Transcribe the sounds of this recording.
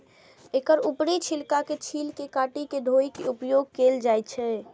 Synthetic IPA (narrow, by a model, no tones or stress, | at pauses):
ekəɾupɽit͡ʃʰilkaket͡ʃʰilkekaʈiked̪ʱoikeupjoɡ̚keld͡ʒajt͡ʃʰɛ